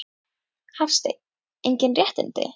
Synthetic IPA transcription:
hafst̪ej | ejɲcɪnrjɛht̪ɪ̰nt̪ɪ̰

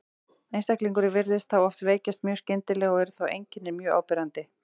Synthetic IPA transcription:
ejnst̪akliŋkʏɾɪvɪɾðɪst̪̚θawɔft̪veːjcɪst̪̚mjœ̥ːscɪnt̪ɪlɛːɣɔɣɛɾʏ̥θawḛjɲcɪnːɪmjœːa̰ːwpɪɾant̪ɪ

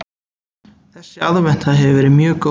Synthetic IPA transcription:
θɛsɪalvɛn̥t̪θaðɦɛvɪvɛːɾɪmjœːko

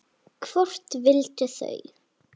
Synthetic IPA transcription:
kʰvɔr̥t̪vɪlt̪ɪθœ̰ɣ

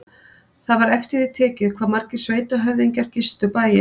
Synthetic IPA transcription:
θaðvaɾɛft̪ɪðɪt̪ʰɛːcɪðkʰv̥aːðmaɾcɪ̥sveːjt̪aɦœvðiɲcaɾ̥cɪst̪ʏpaːjɪ

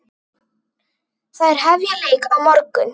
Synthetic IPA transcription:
θaðɛɾ̥ɦɛvjaleːjkawmɔɾkʏn

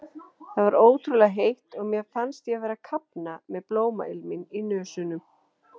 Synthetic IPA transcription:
θaðvaɾoːwt̪ʰɾulaɦejht̪ɔɣmjɛfanst̪jɛvɛːɾakʰapnamɛðploːwma̰ɪlmɪninœːsʏnʏm

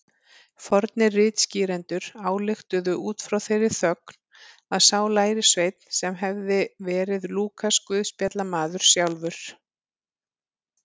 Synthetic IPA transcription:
fɔɾt̪nɪrɪːt̪sciːɾɛnt̪ʏɾ̥aːwlɪxt̪ʏðʏʔuːt̪fɾawθejɾɪθœk̚n̥ | aðsaːwlaːjɾɪsveːjt̪n̥sɛmɦɛvðɪvɛːɾɪðluːkʰaskvʏðspjɛt̪lamaːðʏɾ̥sjawlvʏɾ̥

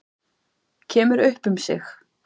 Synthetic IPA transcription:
cʰɛːmʏɾʏhpʏmsɪ̰x

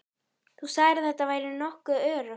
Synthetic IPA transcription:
θusaːɣɾɪθɛht̪ːavaːjɾɪnɔhkʏœːɾʏ

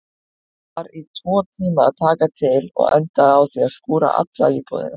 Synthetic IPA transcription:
aɾit̪ʰvɔːt̪ʰiːmaat̪ʰaːkat̪ʰɪlɔ̰ɣɛ̰nt̪aawθiaskuːɾa̰ʔa̰t̪la̰ipʰɔ̰ːðɪ̰n

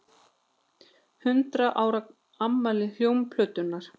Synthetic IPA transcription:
hʏnt̪ɾaʔaːwɾa | amːalɪl̥jowmpʰlœːt̪ʏnːaɾ̥

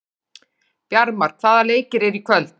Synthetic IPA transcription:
pjaɾmaɾ̥k̪θaːðaleːjcɪɾɛɾikʰvœlt̪

